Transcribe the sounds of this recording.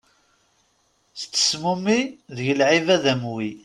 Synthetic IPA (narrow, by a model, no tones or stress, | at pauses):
θt͡sːə̥smumiðəʝəlʕivæðæmwi